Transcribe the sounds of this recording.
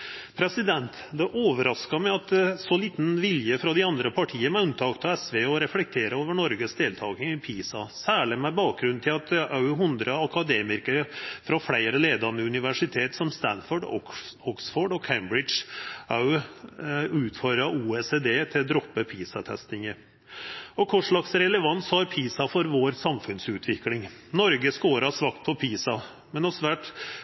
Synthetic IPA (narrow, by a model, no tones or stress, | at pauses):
pʰɾɛsɪd̪ɛnt̪ | d̪ɛʔoːʋəɾɑskɑmɛɪɑt̪sɔliːt̪n̩ʋɪljəfɾɑd̪ɪɑnd̪ɾəpʰɑʈʰiːənæʉnt̪ʰɑːkt̪ɑɛsʋeːɔɾɛflɛk̚t̪ʰeːɾəoːʋəɳɔɾɡəsd̪eːlt̪ʰɑːkɪŋɪpʰiːsɑsæːɭɪmæbɑːk̚ɡɾʉnt̪ʰɪlɑt̪ʔɑʉɦʉnd̪ɾəɑkɑd̪eːmɪɾkəɾfɾɑfɽæɪɾəleːd̪ɑnəʉnɪʋæʂɪt̪ʰeːt̪sɔmst̪ænfɔɖɔ̰ɔksfɔːɖɔkʰæɪmbɾɪdʂɑʉ | ʉːt̪fɔɾɑʔuːeːseːd̪eːt̪ʰɪld̪ɾɔpːəpʰiːsɑt̪ʰɛ̰st̪ɪŋə | ɔkʰʊʂɭɑksɾɛləʋɑnshɑɾpʰiːsɑfɔɾʋoːɾsɑmfʉnsʉːt̪ʰʋɪklɪŋnɔɾɡəskoːɾɑsʋɑkt̪̚pʰɔpʰiːsɑ | mɛnɔsʋæːʈ